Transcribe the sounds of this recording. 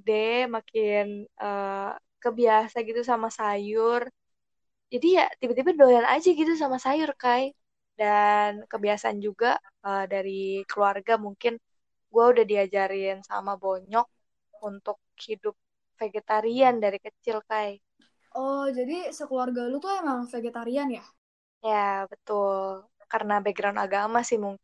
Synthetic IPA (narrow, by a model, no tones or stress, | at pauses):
dɛmakɪnəːkəbiasaɡit̪us̬amasajʊr | d͡ʒadijat̪ibat̪̬ibadolana̰d͡ʒaɡit̪us̬amasajʊrkaj | dankəbiasaand͡ʒuɡa | əːdaɾikəluarɡamuŋkɪn | ɡuaudahdiad͡ʒaɾɪnsa̰maboɲɔk̚ | unt̪ʊk̚hidʊp̚ | feɡet̪aɾiandaɾikət͡ʃɪlkaj | ʔɔd͡ʒadisəkəluarɡalut̪uajmaŋfeɡet̪aɾianja | jabət̪ʊl | kaɾənabɛɡɾawnta̰ɡamasɪhmuŋ